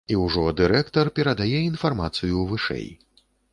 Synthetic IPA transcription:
iwʐɔd̪ɨɾɛkt̪ɐrpʲɛɾɐd̪ajɛinfarmat̪sɨjuvɨʂɛ̰j

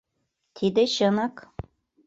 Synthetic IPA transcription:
t̪ʰid̪ɘ̆ɕɤ̆nɑk

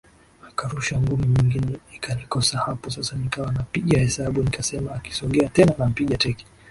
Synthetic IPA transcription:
makaɾuʃaŋɡumiɲiŋɡinɛikʰanikɔsahapɔsasanikawanapiɠahɛsaɓunikasɛmaːki̥sɔɠɛatɛnanam̩piɠatɛki̥

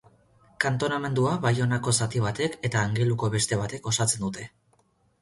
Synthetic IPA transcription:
kant̪o̞name̞nd̪uaβajo̞nako̞sat̪iβ̞at̪e̞ke̞t̪aːŋɡe̞luko̞βe̞st̪e̞β̞at̪e̞ko̞sat͡se̞nd̪ut̪e̞

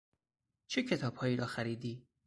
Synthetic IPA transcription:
t͡ʃʰecʰe̞t̪ʰɒːb̥hɒːjiːɾʔɒːxæɾiːd̪iː

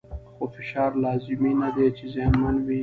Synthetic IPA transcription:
xofɪʃɑːɾlɑzɪminad̪et͡ʃezjɑnmanwi

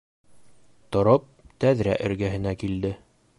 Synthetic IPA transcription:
t̪ŏɾop̚t̪æðɾæ̰ʔɘ̆ɾɡæɦɘ̆nækild̪ɘ

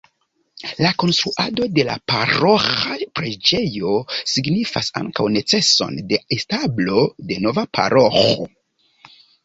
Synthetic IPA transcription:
lako̞nst̪ɾuʔado̞de̞la̰paɾoxapɾe̞d͡ʒe̞jo̞siɡnifasa̰ŋkawnet͡se̞so̞̰nde̞establo̞de̞no̞vapʰa̰ɾʔo̞xo̰

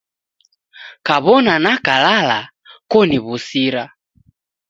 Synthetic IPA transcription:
kaβɔnanakalala | kɔniβusiɾa

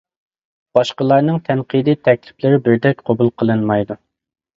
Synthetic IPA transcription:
b̥ɑʃqəlˠɑɾnɨŋt̪ʰɛnqʰid̪it̪ʰɛkʲlɪ̥plɪɾɪbɪɾd̪ɛk̚ʲqʰɑbulˠqʰəlˠɨnmɑjd̪u

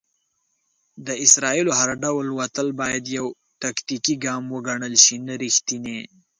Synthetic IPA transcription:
d̪əɪsɾɑiloɦaɾɖawlwat̪əlbɑjad̪jaw | ʈ̪akt̪ikiɡɑmwəɡaɳəlʃinaɾixt̪ine

